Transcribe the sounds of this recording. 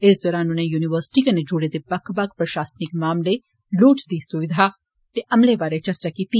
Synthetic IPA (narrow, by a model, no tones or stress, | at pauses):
ɪsd̪ɔːɾaːnʊnẽːjuːnɪʋəɾsʈiːkened͡ʒʊɽed̪ebɐkʰbɐkpɾɐʃaːsnɪkmaːmle | luːt͡ʃd̪iːsʊʋɪd̪ʱaː | t̪eʔɐmleʋaːɾet͡ʃɐɾt͡ʃaːkiːt̪iː